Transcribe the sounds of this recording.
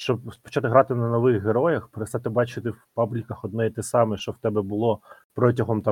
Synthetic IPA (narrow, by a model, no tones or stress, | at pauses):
ʃt͡ʃɔbspɔ̥t͡ʃat̪ɪɦɾɑt̪ɪnɐnɔʋɪxɦeɾɔjɐxpeɾest̪ɑt̪ɪbɑt͡ʃɪt̪ɪwpɑblʲikɐxɔd̪̚nɛit̪ɛsɑmɛʃt͡ʃɔwt̪ɛbɛbʊlˠɔ | pɾɔtʲɐɦɔmt̪ɑ